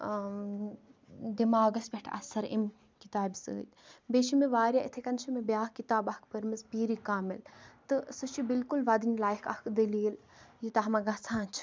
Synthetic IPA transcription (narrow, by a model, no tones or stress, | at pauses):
d̪imaːɡɐsbʲeʈʰɐ̰sɐɾḛm | kit̪aːbisɨ̰ːt̪ʲbeːʃimeʋaːɾʲjaʔit̪ʰekɐnʃʰimebjaːhkit̪aːbɐhkpɐɾmɐspiːɾikaːmilt̪ɨsɨt͡ʃʰibilkulʋad̪inlaːjikʰɐ̰hkʰd̪ɐliːljit̪ɐɦmɐɡɐt͡sʰãːnt͡ʃʰ